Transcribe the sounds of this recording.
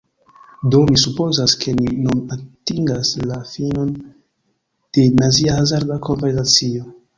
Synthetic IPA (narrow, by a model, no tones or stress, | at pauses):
do̞misupo̞zaskʰe̞ninunatiŋɡaslafino̞n | d̥e̞naziahazaɾdako̞nve̞ɾsat͡sio̞